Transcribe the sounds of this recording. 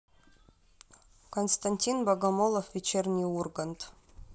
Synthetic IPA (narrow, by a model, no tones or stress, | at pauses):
konst̪anʲtʲinbɐɡɐmolˠofʋʲet͡ɕerʲnʲiurɡə̆nt̪